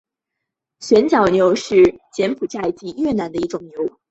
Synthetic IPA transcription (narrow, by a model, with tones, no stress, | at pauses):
ɕɥɛ˧˥nt͡ɕjɑ˨˩ʊnjo˧˥ʊʂɻ̩˥˩t͡ɕjɛ˧˥npʰu˨˩ʈ͡ʂa˥˩ɪt͡ɕi˧˥jɥɛ˥˩na˧˥nd̪ə˧i˥˩ʈ͡ʂʊ˨˩ŋnjo˧˥ʊ